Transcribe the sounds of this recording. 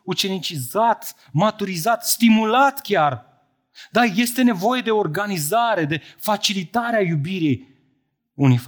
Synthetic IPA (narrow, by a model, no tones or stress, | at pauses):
ut͡ʃe̞nit͡ʃizat̪ | mat̪uɾizat̪st̪imulat̪kʲar | d̪aje̞st̪e̞ne̞vo̞je̞d̪e̞o̞rɡanizaɾe̞d̪e̞fat͡ʃilit̪aɾeajubiɾij | unif